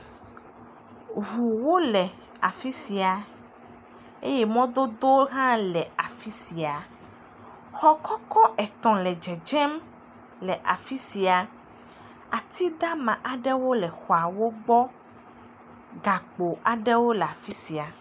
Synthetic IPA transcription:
ɦu˨wo˦lɛ˨ | a˨fi˦si˨a˨ | ḛ˦jɛ˦mɔ̃˦d̪o˦d̪o˦ɦã˦lɛ˨a˨fi˦si˨a˨ | xɔ˦kɔ˦kɔ˦ʔɛ˨t̪ɔ̃˨lɛ˨d͡ʒɛ˨d͡ʒɛ˦m | lɛ˨ʔa˨fi˦si˨a˨ | a˨t̪ʰi˦d̪a˦mã˨ʔa˨ɖɛ˦wo˦lɛ˨xɔ˨a˨wo˦ɡ͡bɔ˦ | ɡa˨k͡po˨a˨ɖɛ˦wo˦lɛ˨a˨fi˦si˨a˨

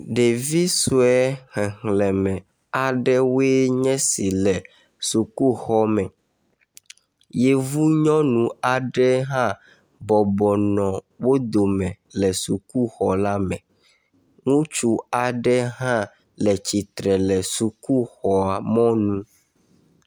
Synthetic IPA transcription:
ɖe˨vi˦su˦ɛ˦hɛ̃˨ŋlɛ˨mɛ̃˨ | a˨ɖɛ˦we˦ɲɛ̃˦si˨lɛ˨ | su˨ku˦xɔ˦mɛ̃˨ | je˦vu˦ɲɔ̃˦nũ˨a˨ɖɛ˦ɦã˦ | bɔ˨bɔ˨nɔ̃˨ | wo˦d̪o˨mɛ̃˨ | lɛ˨su˨ku˦xɔ˨la˦mɛ̃˨ | ŋũ˦t͡ʃu˦a˨ɖɛ˦ɦã˦ | lɛ˨t͡ɕi˨t̪ɾɛ˨lɛ˨su˨ku˦xɔ˨a˨mɔ̃˦nũ˦

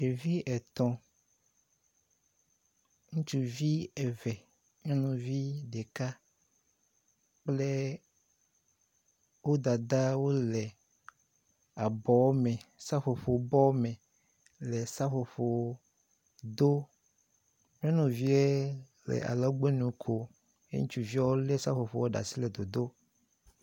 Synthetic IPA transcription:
e˨vi˦ɛ˨t̪ɔ̃˨ | ŋũ˦t͡ʃu˨vi˦ɛ˨vɛ˨ | mɛ̃˦nũ˨vi˦ɖe˨ka˦ | k͡plɛ˦ | wo˦d̪a˨d̪a˦wo˦lɛ˨ | a˨bɔ˨wme˨sa˦ɸo˨ɸo˨˦bɔ˦mẽ˨ | le˨sa˦ɸo˨ɸo˨˦ | d̪o˦ | m˦ẽ˦nũ˨vi˦e˦ | lḛ˨ʔa̰˨la˦ɡ͡be˦nũ˨˦kʰo˨ | ḛ˦ŋũ˦t͡ʃu˨vi˦ɔ˦wo˦le˦sa˦ɸo˨ɸo˨wo˦ɖa̰˨si˦le˨d̪o˨d̪o˦

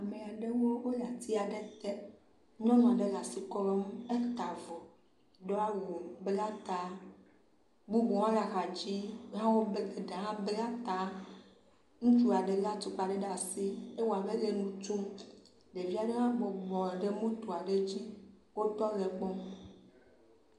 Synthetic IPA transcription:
a˨me˨a˨ɖe˦wo˦wo˦la˨t̪ʰi˦a˨ɖe˦t̪e˦ | ɲɔ̃˦nɔ̃˨ɖe˦la˨si˦kɔ˦lɔ˦m˦e˦t̪a˨vɔ˨ | ɖɔ˦a˦wu˨be˦la˦t̪a˨ | ɡ͡bu˦bũ˨wã˦la˨xa˨d͡ʑi˦ɦã˦wo˦be˨ɖã˨ɦã˦be˦la˦t̪a˨ | ŋũ˦t͡ʃu˦a˨ɖe˨la˦t̪o˨k͡pa˨ɖe˦ɖa˨si˦e˦wo˨a˨be˦le˨nũ˦t͡ʃo˦m | ɖe˨vi˦a˨ɖe˦ɦã˦ɡ͡bɔ˨ɡ͡bɔ˨ɖe˦mũ˦t̪o˨a˨ɖe˦d͡ʑi˦ | wo˦t̪ɔ˦le˨k͡pɔ˦m

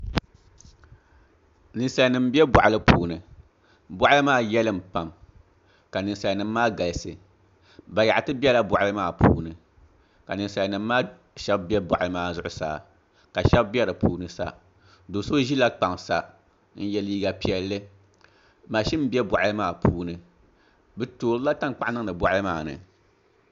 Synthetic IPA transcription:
nɨ˨n˦sa˨nɨ˨m˦bi˦ɛ˦bʊ̰˨ʔa˨lɨ˦pʰuː˨nɨ˨ | bʊ˦ʔa˦lɨ˦maː˦jɛ˦lɨ˦˨m̩˨pa˨m | ka˨nɨ˨sa˨nɨ˨mː˦aː˦ɡa˨lɨ˨sɨ˨ | ba˨ja˨ʔtɨ˦bɛ˦la˦bʊ˨ʔa˦ɨ˦maː˦˨pʰṵː˦nɨ˨ | ka˨nɨ˨n˨sa˨lnɨ˨m̩ː˦aː˦ | ʃɛ˦bbɛ˦bɔ˨ʔjɨ˦maː˦˨zʊ˦ʔʊ˦sa̰ː˨ | ka˨ʃɛ˦bbɛ˦ɾɨ˨pʰuː˦nɨ˨sa̰˦˨ | do˨so˦ʒi˦la˦k͡pa˨ŋsa˦ | n̩˦jɛ˦liː˦ɡa˨pi˨ɛ˦lːɨ˦ | ma˨ʃi˦m˦bɛ˦bɔ˨ʔjɨ˦maː˦˨pʰuː˦nɨ˨ | bɨ˦toː˨ɾɨ˦la˦ta˦ŋ˦k͡pa˦ʔnɨ˦ŋ˦nɨ˨bɔ˨ʔa˦ɨ˦maː˦˨nɨ̰˨

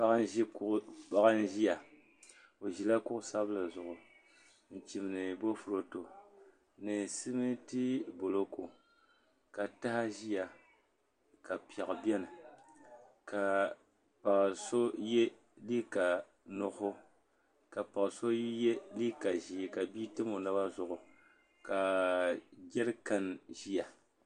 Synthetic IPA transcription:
pa˦ʒi˦pa˦ɣa˦n˦ʒi˦ja˨ | o˨ʒi˨la˦kʊ˦ʔʊ˦sa˦bla˨zʊ˨ʔʊ˨ | n̩˨t͡ʃi˨m˨nɨ˨bo˦fu˨ɾo˨to˨ | nɨ˨si˦mɨ˦ti˦bo˨lo˦ko˨ | ka˨ta˦ha˦ʒi˦ja˨ | ka˨pi˨a˨ʔa˨bɛ˦nɨ˨ | ka˨ | pa˨ʔso˦je˦ | li˦ka˨ | nʊ˨hʊ˦ | ka˨pa˨kso˦je˦li˦ka˨ʒi˨ka˨biː˦tɨ˦mo˨na˦ba˦zʊ˨ʔʊ˨ | ka˨ | ɡɛ˦ɾɨ˦ka˨n˨ʒi˦ja˨

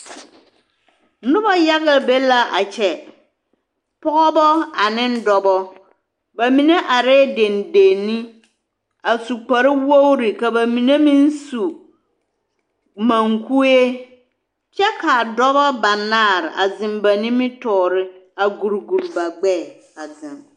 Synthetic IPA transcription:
nʊ˦ba˦ja˦ɣɪ˦lbe˦la˦ʔa̰˨t͡ʃɛ˨ | pɔ˦ɣɔ˦bɔ˦a˨nɪ̃˦n˦dɔ˨bɔ˦ | ba˨mi˨ne˦ʔa˨ɾɛː˦de˨nde˨nːi˦ | a˨su˨k͡pa˨ɾɪ˦wo˦wɾɪ˨ka˨ba˨mi˨ne˦mĩ˦n˦su˨ | mã˨ŋku˦e˦ | t͡ʃɛ˦ka˨dɔ˦bɔ˦ba˨naː˦˨ɾɪ̰˨ʔa˨zɪ˨mba˨nĩ˦mɪ˦tɔː˨ɾɪ˦a˨ɡu˨ɾɡu˨ɾba˨ɡ͡bɛ˦˨ | a˨zɪ̃˨m

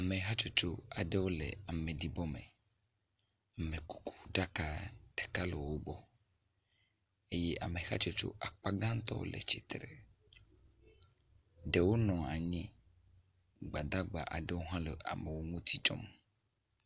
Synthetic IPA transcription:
a˨me˨ɦa˦t͡ʃo˦t͡ʃo˦a˨ɖe˦wo˦lɛ̰˨a˨mẽ˨d̪i˨bɔ˦mḛ˨ | a˨me˨ku̥˨ku̥˨ɖa˦ka˦ɖ̥e˨ka˦lɛ˨wo˦bɔ˦ | e˦jɛ˦ʔa˨me˨xa˦t͡ʃo˦t͡ʃo̰˦ʔa˨k͡pa˦ɡã˦ŋ˦t̪ɔ̰˦o̰˦lḛ˨t͡ʃi˦˨t̪ɾɛ̰˨ | ɖe˨wo˦nɔ̃˨a̰˨ɲĩ˦ | ɡ͡ba˨d̪a˦ɡ͡ba̰˨ʔa̰˨ɖe˦wo˦ɦã˦lɛ˨a̰˨me˨wo˦ŋũ˦t̪ʰi˦t͡ʃɔ̰˦m

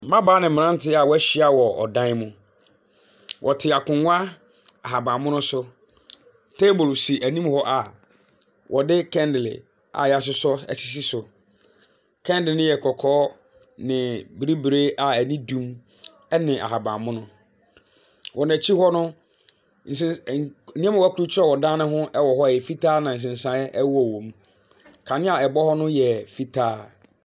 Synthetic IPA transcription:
mã˦baː˦nɪ̃˨mɪ̃˨ã˦n˦tʰɪ˦a˨wɔ˦æ˦ɕi˨˦a˦wɔ˨ɔ̰˨dã˦n˦mũ˦ | wʔɔ˨tʰɪ˨a˨kʰʊ̃˨ŋʷ˦a˦ | a˨ɦa˨bã˨mʊ̃˦nʊ̃˦sʊ˦ | tʰe˦bʊ˨lsi˨ʔæ˨nĩ˦mhɔ˦ʔa˨ | wʔɔ˨dɪ˦kʰɛ̃˦ndɪ˨lɪ̰˨ | a̰˨ja˦˨s̬ʊ˦sɔ˦ɛ̰˨si˦˨s̬i˦sʊ˨ | kʰɛ̃˦ndɪ˨nɪ̃˦jɛ˨kʰɔ˨kʰɔː˦ | nɪ̃˨bi˨ɾi˦bɾe˦ʔa˨æ˨nĩ˦dũ˦m | ɛ˦nɪ̃˨ʔa̰˨ɦa˨bã˨mʊ̃˦nʊ̃˦ | wɔ˨næ̃˨t͡ɕʰi˦hɔ˦nʊ̃˦ | n̩˨sɪ˦nĩ˦a˦m˨wkʰɾu˦t͡ɕʰɪ˦ɛ˦˨wɔ˨dãː˦nʊ̃˦ɦʊ̃˦ʔɛ˦wɔ˨ɦɔ˦˨jɛ˨fi˦tʰaː˦nã˨n̩˨s̬ɪ̃˨n˨sã˨ɛ˦ʔɛ˦wɔ˨wõ˨m | kʰã˨nɪ̃˦a˨ɛ˨bɔ˦hɔ˦nʊ̃˦jɛ˨fi˦tʰaː˦

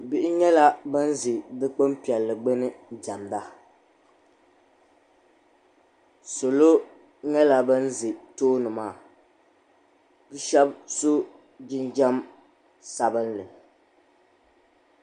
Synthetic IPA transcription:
bi˦ʔɪ˦ɲɛ˦la˦bɨ˦n˦zɨ˨dɨ˦k͡pɨ˦mpi˨ɛ˨lːɨ˨ɡ͡bɨ˦nɨ˦d͡ʒa˨mda˦ | so˨lo˦ | ɲɛ˦la˦bɨ˦n˦zɨ˨toː˦nɨ˨maː˦˨ | bɨ˦ʃɛ˦bso˦ | d͡ʒɪ˦nd͡ʒa˦m | sa˨bɨ˦nlɨ˨

